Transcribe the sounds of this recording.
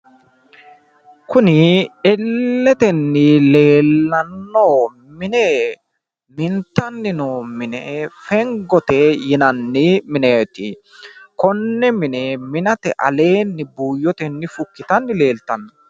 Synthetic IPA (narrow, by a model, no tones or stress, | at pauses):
kʊnɪɛlːɛt̪ɛnːɪleːlːɐnːoː | mɪnɛ | mɪnt̪ɐnːɪnoːmɪnɛfɛŋɡɔt̪ɛjɪnɐnːɪmɪneːt̪ɪ | kɔnːɛmɪnɛmɪnɐt̪ɛʔɐ̰le̞ːnːɪbuːjɔt̪ɛnːɪfʊkːɪt̪ɐnːɪleːlt̪ɐnːɐ